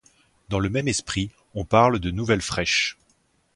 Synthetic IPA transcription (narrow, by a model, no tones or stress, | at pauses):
d̪ɑ̃ləmɛmɛspχi | ɔ̃paʁld̪ənuvɛlfχɛʃ